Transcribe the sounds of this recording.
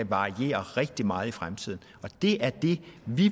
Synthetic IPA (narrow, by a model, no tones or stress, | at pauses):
ʋɑ̈ʁie̝̰ːɐʁɛɡ̥̚d̥imɑ̈ːð̞̩ˠifʁamt͡sʰið̰ˠn̩ɒ̽d̥e̝ʔæɐd̥e̝ʋi